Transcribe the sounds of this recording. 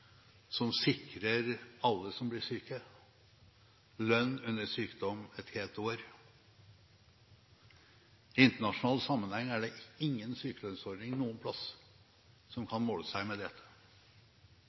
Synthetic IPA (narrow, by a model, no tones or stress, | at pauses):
sɔmsɪkɾəɾɑlːəsɔmblɪʂyːkə | lœnːʉnːəʂyːkd̪ɔmɛt̪heːlt̪oːɾ | ɪɪnt̪əɳɑʂʊnɑːlsɑmːənhɛŋːæɖɛɪŋːənsyːkəlœnsɔɾɖ̪nɪŋnuːənpʰlɑs | sɔmkʰɑnmoːləsæɪmɛd̪ɛt̪ʰːə̥